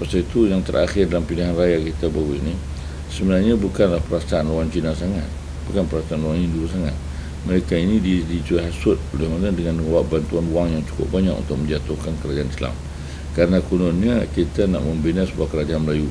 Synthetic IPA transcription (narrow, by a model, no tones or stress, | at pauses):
pasait̪ujaŋt̪ə̰ɾʔaxɪrdalampiliɦanrajakit̪abauini | səbənarɲabukanlahpəɾasaːnloaŋt͡ʃinasaŋat̪̚ | bukanpəɾasaːnloaŋɲindulus̬aŋa̰t̪̚ | məɾekainididit̪uaɦasʊt̪̚olɛhmanadəŋanməŋawaʔ̚bant̪uanuaŋjaŋt͡ʃu̥kʊ̰ʔ̚baɲa̰kṵnt̪ʊk̚mə̃ɲd͡ʒat̪ʊhkankəɾad͡ʒaanisla̰m | kaɾənakunʊnɲakit̪ana̰ʔməmbənasəbuakəɾad͡ʒaanməlaju